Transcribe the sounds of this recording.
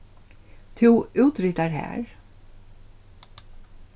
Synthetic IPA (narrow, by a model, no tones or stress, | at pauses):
t̪ʰʉːʉːt̪ɾit̪aɹhæ̰ːɹ